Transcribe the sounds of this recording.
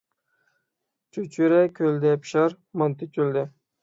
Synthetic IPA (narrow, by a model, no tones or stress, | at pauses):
t͡ʃʰyt͡ʃʰyɾɛkʲʰøld̪ɛpʰʃɑɾ | mɑnt̪ɪkʲʰøld̪ɛ